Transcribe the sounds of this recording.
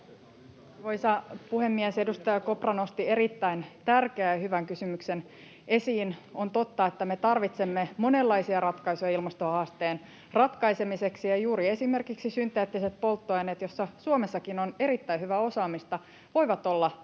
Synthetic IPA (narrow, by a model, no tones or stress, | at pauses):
ʋojsɑpuhe̞mːiæse̞dust̪ɑjɑko̞prɑno̞st̪ie̞ɾit̪ːæint̪ærkeæjhyʋæŋkysymykse̞n | e̞siːno̞nt̪o̞t̪ːɑet̪ːæme̞t̪ɑrʋit̪se̞mːe̞mo̞nelːɑisiɑrɑt̪kɑjsujɑilmɑst̪ohɑːst̪eːn | rɑt̪kɑjse̞mise̞ksijɑjuːɾie̞sime̞rkiksisynt̪ːˑeːt̪ːiset̪̚po̞lt̪ːoɑjnet̪jo̞sːɑsuomesːɑkinone̞ɾit̪ːæjhyʋæo̞sɑːmist̪ɑ | ʋo̞jʋɑt̪o̞lːɑ